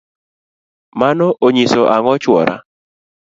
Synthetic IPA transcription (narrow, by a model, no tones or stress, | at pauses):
manɔʔoɲisoʔaŋɔt͡ʃwɔ̰ɾʔa̰